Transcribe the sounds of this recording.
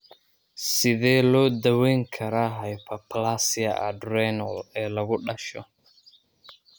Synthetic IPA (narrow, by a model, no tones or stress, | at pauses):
sɪðɛːlɔːd̪ɐwɛjŋkʰɐɾaːɦɐjpʰɐpʰlaːsɪɐ̰ɐ̰drɛnɔlɛːlɐɣʊɖɐʃɔ̰